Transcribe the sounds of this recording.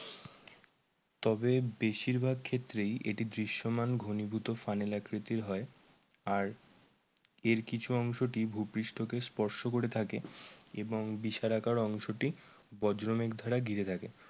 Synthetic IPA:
t̪ɔbebeʃiɾbʱaɡkʰːet̪ːɾejʔḛʈid̪ɾiʃːomanɡʱonibʱut̪ofanelakɾit̪iɾɦɔeaɾ | eɾkit͡ɕʰuɔŋʃoʈibʱupɾiʃʈʰokespɔɾʃokoɾet̪ʰakeeboŋbiʃaɾakaɾɔŋʃoʈibɔd͡ʑɾomekd̪ʱaɾaɡʱiɾet̪ʰake

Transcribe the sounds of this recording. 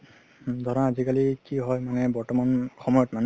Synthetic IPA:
d̪ʱɔɹɔazikalikiɦɔjmanɛbɔɹtɔmanxɔmɔjɔtman

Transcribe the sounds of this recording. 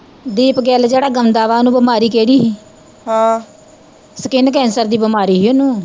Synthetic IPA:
d̪iːpɡɛːld͡ʒeːɽaːɡəmd̪aːʋaːnũːbəmaːɾiːkeːɽiːɦiː | hã | səkɪnk̬ɛ̃ːnsəɾd̪iːbəmaːɾiːɦiːonũː

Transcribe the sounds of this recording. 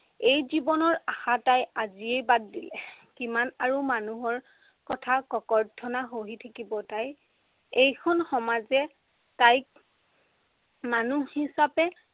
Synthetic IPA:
ejzibɔnɔɹaxatajaziejbadːilɛkimanaɹumanuɦɔɹ | kɔtʰakɔkɔɹdʰʱɔnaɦoɦitʰakibɔtaj | ejkʰɔnxɔmazɛ | taj | manuhisapɛ

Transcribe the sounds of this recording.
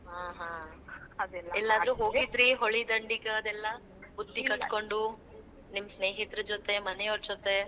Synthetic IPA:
ɦaːɦãː | ɛlːaːd̪ɾuɦoːɡid̪ɾiɦoɭid̪ɐɳɖikɐɐd̪ɛlːɐ | bud̪ːikɐʈkoɳɖu | nimɐsneːɦit̪ɾɐd͡ʒot̪e̞mɐneoɾt͡ʃot̪e

